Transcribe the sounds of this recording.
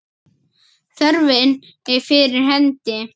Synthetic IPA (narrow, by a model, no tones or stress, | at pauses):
θœɾvɪn | ɛɾfɪɾɪɾ̥ɦɛnt̪ɪ